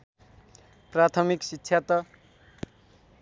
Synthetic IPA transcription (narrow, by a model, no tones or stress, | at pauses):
prat̪ʰʌmiksitːɕʰjat̪ʌ